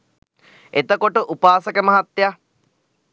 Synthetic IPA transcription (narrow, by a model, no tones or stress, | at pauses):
et̪əkoʈəʔupaːsəkəmɐɦat̪ja